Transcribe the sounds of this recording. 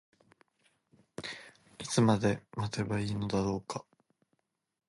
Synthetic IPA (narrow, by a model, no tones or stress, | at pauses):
it͡sɨmad̪e̞mat̪e̞βaiːno̞d̪aɾo̞ːkḁ